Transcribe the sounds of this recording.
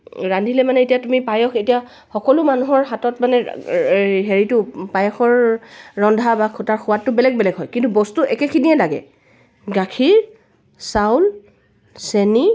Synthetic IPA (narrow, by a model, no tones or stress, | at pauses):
ɹandʱilɛmanɛetijatumipajɔxetija | xɔkɔlʊmanuɦɔɹɦatɔtmanɛ | ɦeɹitʊpajɔxɔɹːɔndʱabakʰutaɹxʊwatːʊbɛlɛɡ̚bɛlɛɡɦɔjkintubɔstuʔɛkɛkʰiniɛlaɡɛ̰ | ɡakʰiɹ | sawl | seni